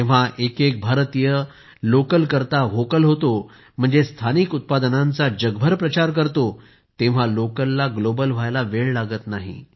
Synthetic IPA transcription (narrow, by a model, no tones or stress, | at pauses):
ẽʋ̤aʔekek̚bʱaɾt̪ijə | lokəlkəɾt̪aʋokəlɦot̪o | m̤əɳd͡zest̪ʰanikut̪̚pad̪ənãnt͡sad͡ʑəɡbʱəɾpɾət͡ɕaɾk̬əɾt̪o | t̪ẽʋ̤alokəlːaɡlobəlʋ̤ajlaʋeɭlaɡət̪naɦḭ